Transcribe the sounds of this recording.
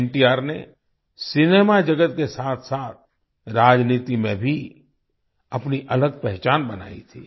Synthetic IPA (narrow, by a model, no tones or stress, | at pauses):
ɳʈiaːɾnḛ | sɪneːmad͡ʒɐɡət̪̚kesaːt̪ʰsaːt̪̚ʰ | ɾaːd͡ʒniːt̪imẽbʱi | ɐpniʔɐləɡ̚pɛɦt͡ʃaːnbɐna̰ːḭt̪ʰiː